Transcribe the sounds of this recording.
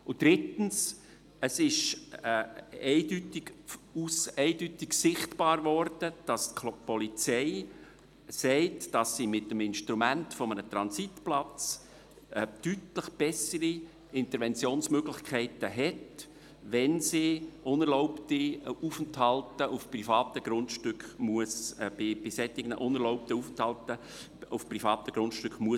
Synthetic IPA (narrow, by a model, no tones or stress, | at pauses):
ʊd̥ɾɪtn̩s | əsɪʃ | ɛɪdytɪɡusɛɪdytɪɡsɪχtb̥ɑːɾvɔɾd̥əd̥ɑstʰpɔlit͡sɛɪ | sɛɪtd̥ɑsːimɪt̚ːəmɪnʃtɾumæntfɔmənət̪ɾɑnsitplɑt͡s | ətytləχb̥ɛsəɾi | ɪnt̪əɾʋɛnt͡sjoːnsmøɡlɪχkʰɛɪtəɦɛt | ʋɛnsiʊnɛɾlɔʊptiuːfənthɑltəʔufprifɑːtəɡ̥ɾʊntʃtʏkχmuəsb̥ɪb̥ɪsɛt̪ɪɡnə̰ʔʊnɛɾlɔʊp̚təuːfn̩thɑltə | ufprifɑːt̪əɡ̥ɾʊntʃtʏkχmuə